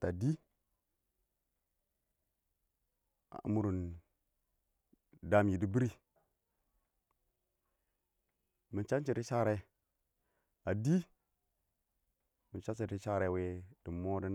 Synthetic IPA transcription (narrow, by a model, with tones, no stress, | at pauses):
ta˨di˦ | a̰˨mu˨˦ɾu˨n | da˦mi˨di˦bi˦ɾi˦ | mi˨nt͡ʃa˦nt͡ʃi˨ɾi˦ʃa˦ɾe˦ | a˨di˦ | mi˨nt͡ʃa˦t͡ʃi˨ɾi˦ʃa˦ɾe˨˦˨we˦d̥i˨mo˦də˦n